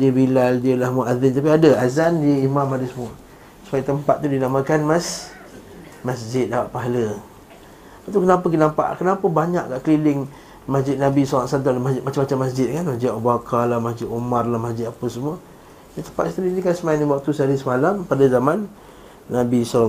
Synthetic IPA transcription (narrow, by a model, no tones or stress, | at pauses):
diəbilaldiəlahmuaðɪnt̪apiadəazandiəimãmadəsəmuə | sə̥pajat̪əmpat̪̚ːudinaməkanmas | masd͡ʒɪt̪̚dapaʔ̪̚paɦalə | paʔt̪ukənapəkinampa̰ʔkənapəbaɲaʔkaʔkəlilɪŋ | masd͡ʒɪt̪̚nabisoaʔsant̪ulamasd͡ʒɪt̪mat͡ʃamat͡ʃamːas̬d͡ʒɪt̪̚kanmasd͡ʒɪt̪obakʰalahmasd͡ʒɪt̪umarlahmasd͡ʒɪt̪apəsəmuə | dat̪əmpat̪st̪əɾidikansəmaandiwak̚t̪usaɾisəmalampadazamanː | abisa